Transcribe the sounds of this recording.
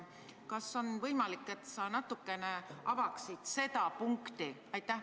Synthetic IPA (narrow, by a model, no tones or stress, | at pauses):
kɑso̞nvɤjmɑlikːˑe̞t̪sɑnɑt̪ːˑukːe̞neʔɑvɑksid̪̥se̞t̪ɑpuŋkt̪iɑjt̪ːˑæh